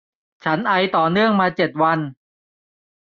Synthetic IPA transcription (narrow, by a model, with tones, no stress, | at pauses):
t͡ɕʰa˦˥nʔa˧jt̪ɔː˨˩nɯ˥˩əŋmaː˧t͡ɕe˨˩t̪̚wa˧n